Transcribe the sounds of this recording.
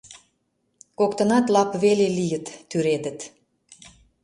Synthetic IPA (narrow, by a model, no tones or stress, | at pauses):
kokt̪ə̆nɑt̪lɑpβelelijə̆t̪ːyɾed̪ə̆t̪